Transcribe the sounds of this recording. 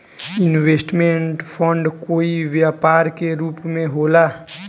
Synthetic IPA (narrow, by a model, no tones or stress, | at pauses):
ɪnʋeːsʈmẽɳʈpʰə̃ɳɖkoːiʋjaːpaːɾkeɾuːpmẽɦoːlaː